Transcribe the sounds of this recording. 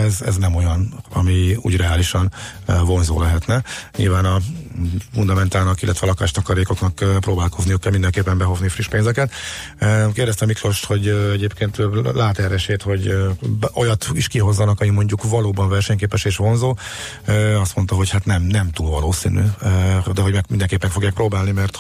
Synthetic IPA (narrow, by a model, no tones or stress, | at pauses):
ɛzɛ̰znɛmo̞jɒnɒ̰miṵːɟrɛaːliʃɒnvo̞nzo̰ːlɛɦɛt̪nɛɲḭlvaːnɒ | fund̪ɒmɛnt̪aːlnɒkilːʔɛt̪ʋɛlɒkaːʃt̪ɒkɒɾeːko̞knɒkːproːbaːlko̞zniøːkːɛlmind̪ɛŋkeːpːɛmbɛɦo̞znifriʃpeːnzɛkɛt̪ | økeːrdɛst̪ɛmːiklo̞ʃt̪ho̞ɟɛɟeːpkeːnt̪laːt̪ɛrɛʃeːt̪ho̞ɟbo̞jɒt̪iʃkiɦo̞zːɒnɒkɒmimo̞ɲɟukvɒloːbɒnvɛrʃɛɲkeːpɛʃeːʃʋo̞nzoː | øɒst̪mo̞nt̪ɒɦo̞chat̪nɛmnɛmt̪uːlvɒ̰loːsḭny̰d̪ɛɦo̞ɟmɛkmind̪ɛŋkeːpːɛkfoɡjaːkproːbaːlnimɛrt̪